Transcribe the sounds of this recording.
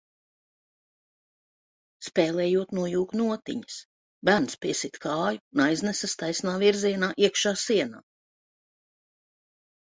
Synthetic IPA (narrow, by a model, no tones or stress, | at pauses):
spɛːlɛːjuɔt̪nuɔjuːknuɔt̪ḭɲɐ̥s | bænspiɛsit̪kʰɑːjunajznɛsast̪ajsnaːviɾziɛnaːʔiɛkʃaːsiɛna̰ː